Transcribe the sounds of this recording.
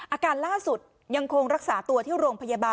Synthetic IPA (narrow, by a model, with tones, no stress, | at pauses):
ʔaː˧kaː˧nlaː˥˩su˨˩t̪̚ | ja˧ŋkʰo˧ŋɾa˦˥k̚saː˩˦t̪u˧ɐt̪ʰiː˥˩ɾoː˧ŋpʰa˧jaː˧baː˧